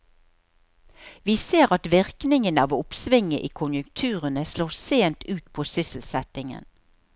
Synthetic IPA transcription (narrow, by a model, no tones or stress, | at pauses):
ʋiːseːʁɑt̪ʋɪʁknɪŋənɑːʋʊpsʋɪŋːəʔiːkʰʊnjʉkt̪ʰʉːʁənəsloːseːnt̪ʉːt̪pʰoːsʏsl̩sɛt̪ɪŋə̰n